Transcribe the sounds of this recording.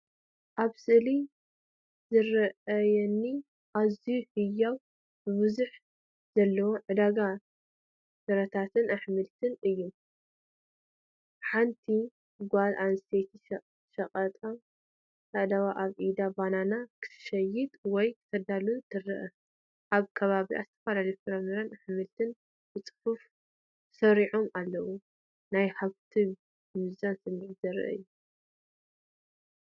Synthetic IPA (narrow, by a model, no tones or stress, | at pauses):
ʔaβsɨʔli | zɨɾɐɐjɛnːi | ʔazijuhɨjːaw | b̥ɨβɨzuħ | z̥ɐlːɐwoʕɨd̪aɡa | sɐɾɐt̪ʰat̪ʰɨnʔaħmɨlt̪ʰɨnɨjːum | ħant̪ʰi | ɡʷalʔanset̪ʰiʃ | ʃɐqʼɐt̪ʼam | taʔd̪awaʔaβʔid̪abananakʰɨ̥tʰɨ̥ʃɐjɪt̪wɔjkʰɨ̥t̪ʰɐd̪alunt̪ʰɨrɨʔɐ | ʔaβkʰɐβaβiʔa̰zɨt̪ʰɐfalaljufɨɾɐmiɾanħɨmɨlt̪ʰɨn | bɨt͡sʼɨ̥fuf | sɐɾiʕomalːɐwu | najħaβt̪ʰi | mɨzansɨmːʕizɐɾɨ̰ʔɨ̰jːu